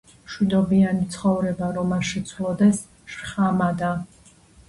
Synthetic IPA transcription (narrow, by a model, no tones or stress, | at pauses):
mʃwid̪ɔbianit̪sʰχɔvɾɛbaɾɔmaʃɛt̪sʰwlˠɔd̪ɛs | ʃχamad̪a